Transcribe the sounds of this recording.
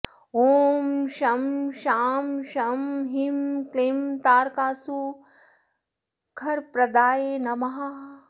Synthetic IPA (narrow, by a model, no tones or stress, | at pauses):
oːmʃɐmʃaːmʃɐmɦimklimt̪aːɾkaːsu | kʰɐɾpɾɐd̪aːjeːnɐmɐɦɐ